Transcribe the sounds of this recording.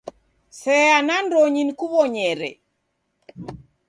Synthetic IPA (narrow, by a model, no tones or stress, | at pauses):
sɛanandoɲinkuβɔɲɛɾɛ̰